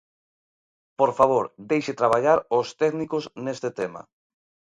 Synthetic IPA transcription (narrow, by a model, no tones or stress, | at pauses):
poɾfaβ̞oɾd̪ejʃɪt̪ɾaβ̞aʎaɾost̪ɛknikoznest̪et̪ema̰